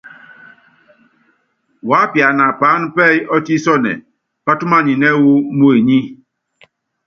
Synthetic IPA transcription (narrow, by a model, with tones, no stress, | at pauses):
wa˨˦pja˨na˨pa˨˦n˦pɛ˦jɔ˦ti˦sɔ˦nɛ̰˨ | pa˦tu˦ma˦˨ɲi˨nɛ˦wu˦mu˦e˨ɲi˦